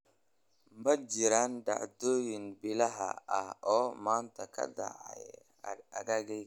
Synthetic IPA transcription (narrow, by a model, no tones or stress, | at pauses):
mbɐd͡ʒɪɾanɖa̰ʕd̪oːjɪnbɪlɐɦɐ̰ɐhɔːmaːnt̪ʰɐkʰɐ̰da̰ʕa̰j | ɐ̰ɡaɡɛj